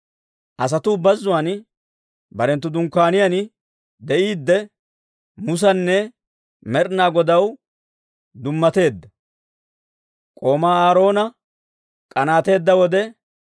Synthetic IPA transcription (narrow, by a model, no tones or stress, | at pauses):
ʔɐs̬ɐt̪ʊbɐzːʊwaːn | bɐɾɛnt̪ːʊd̪ʊŋkːaːnɪjan | d̪ɛʔiːd̪ːɛ | mʊs̬ɐnːɛ | mɛɾnaːɡɔd̪ɐw | d̪ʊmːɐt̪e̞ːd̪ːɐ | kʼo̞ːmaːaːɾo̞ːnɐ | kʼɐnaːt̪e̞ːd̪ːɐwɔd̪ɛ